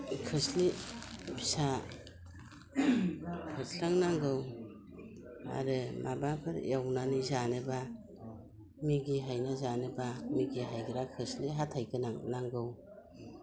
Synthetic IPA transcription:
kʰɯslibʰi̥sa | pʰɯslaŋnaŋɡɯw | a̰ɾɯmʔabapʰɯɾjawnanizanɯba | miɡiɦajnazanɯbamiɡiɦajɡɯɾakʰɯsliɦatʰajɡɯnaŋnaŋɡɯw

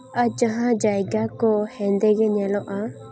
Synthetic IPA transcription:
ad͡ʒaɦãd͡ʒajɡakɔhɛ̃nd̪ɛɡɛɲɛlɔʔa

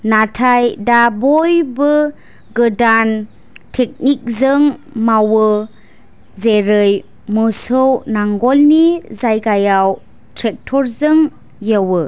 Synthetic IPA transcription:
natʰajdabɔjbɯ | ɡədan | tʰek̚nik̚zɯŋmawə | zeɾɯj | mɔsownaŋɡɔlnizajɡajaw | tʰɾek̚tʰɔɾzɯŋ | jəwə

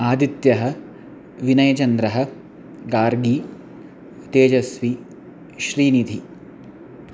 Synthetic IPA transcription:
aːd̪it̪jɐɦɐ̆ | ʋinɐjɐt͡ʃɐnd̪ɾɐɦɐ̆ | ɡaːɾɡi | t̪eːd͡ʒɐsʋi | ʃɾiːnid̪ʱi

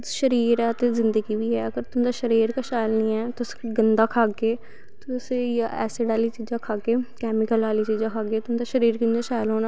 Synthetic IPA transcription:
ʃəɾiːɾɛːt̪eːzɪnd̪əɡiːʋiːɛːəɡəɾt̪ʊnːd̪aːʃəɾiːɾkaʃaːjɪlniːɛːt̪ʊsɡənd̪aːkʰaːɡeː | t̪osejaɛ̰ːseːɖaːliːt͡ʃiːd͡ʒãːkʰaːɡeːkɛːmɪkəlaːliːt͡ʃiːd͡ʒãːkʰaːɡeːt̪ʊnd̪aːʃəɾiːɾkɪnd͡ʒaːʃaːjlɦoːnaː

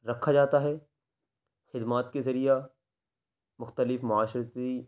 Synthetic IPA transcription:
ɾɐkʰːad͡ʒaːt̪aɦɛː | xɪd̪maːt̪kezɐɾija | mʊxt̪əlɪfmʊaːʃɾt̪i

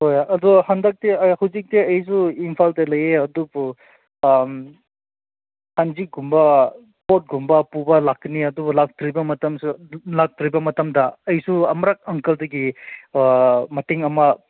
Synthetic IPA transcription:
hojʔɐdɔhandak̚teɐhɐwzik̚teɐjs̬uimpʰaldɐlɐjeɐdubu | m | hanzik̚ɡumbɐ | pot̚ɡumbɐpubɐlakniɐdubulak̚tɾibɐmɐtɐmsulak̚tɾibɐmɐtɐmdɐɐjsuɐmɾak̚ɐŋkɐldɐɡi | mɐteŋɐmɐ

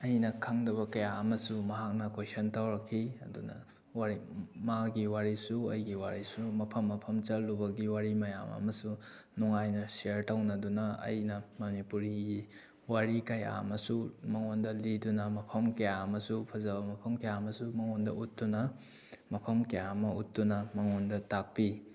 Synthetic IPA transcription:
ɐjnɐkʰaŋdɐβɐkɐjaɐmɐsumɐɦak̚nɐkojsɐntawɾɐkʰːiɐdunɐ̰ | waɾimaɡiwaɾisuɐjɡiwaɾisumɐpʰɐmːɐpʰɐmt͡ʃɐlːubɐɡiwaɾimɐja̰mɐ̰mɐsu | nuŋajnɐsiɐɾtawnɐdunɐɐ̰jnɐmɐnipuɾiɡi | waɾikɐja̰mɐsumɐŋondɐlidunɐmɐpʰɐmkɐjamɐsupʰɐzɐbɐmɐpʰɐmkɐjamɐsumɐŋondɐ̰ʔutːunɐ | mɐpʰɐmkɐjamɐutːunɐmɐŋondɐtak̚pi

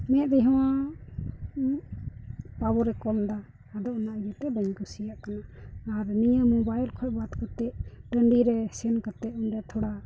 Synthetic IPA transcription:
mɛ̃t̪̚d̪ɛɦɛw̃a | pabɔɾɛkɔld̪aː | d̪ɔʔnaʔjɛt̪ɛbɛɲkusijaʔkanaːɾnijamɔbajlkʰɔʔbat̪kat̪ɛʔɖəɳɖiɾɛsɛnkat̪ɛʔunɾɛt̪ʰɔɽa

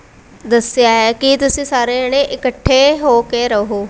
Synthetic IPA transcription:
d̪əsɪjaːɦɛːkɪt̪ʊsĩːsaːɾeːneːʔɪkəʈʰːeːɦoːkeːɾəɦoː

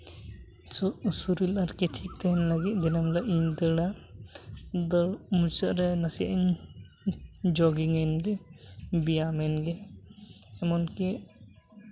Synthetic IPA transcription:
usuɾilaɾkɛʈʰik̚t̪ɛɦɛnlaɡit̪̚ˀd̪ɛnamlaʔiɲd̪əɽa | d̪əɽmut͡ʃəʔɾɛnasia̰ʔiɲ | d͡ʒɔɡiŋɛnɾɛbijamɛnɡɛː | mɔnkɛ

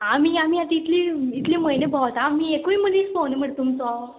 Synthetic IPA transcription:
amiam̤ijat̪iːt̪liit̪liːməjnebʱat̪aːmiekuimənit͡sfonem̤əɽt̪umt͡sɔ

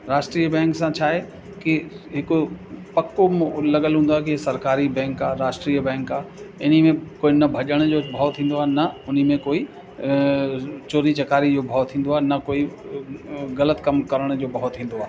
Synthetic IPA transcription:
ɾaːʃʈɾijəbɛ̃ːŋksãt͡ɕʰaːɦe | kiɦɪkopɐkːomlɐɠəlɦũːnd̪oaːɦekisɐɾkaːɾibɛ̃ːŋkaːɾaːʃʈɾiːjəbɛ̃ːŋkaːɪn̤imẽkoːinɐbʱɐʄəɽ̃d͡ʑoːbʱaːʋt̪ʰĩːnd̪oaːɦenɐʊn̤imẽkoːi | t͡ɕoːɾit͡ɕɐkaːɾid͡ʑoːbʱaːt̪ʰĩːn̆d̪oaːɦenɐkoːi | ɣɐlət̪kɐmkɐɾəɽ̃d͡ʑoːbʱɐɦɔt̪ʰːĩːn̆d̪oaːɦ

